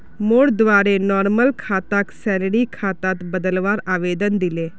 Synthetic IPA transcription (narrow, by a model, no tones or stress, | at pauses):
moːɽd̪ʋaːɾenɔːɾməlkʰaːt̪aksɛːlɽikʰaːt̪aːt̪bəd̪əlʋaːɾaːʋeːd̪ənd̪ɪleː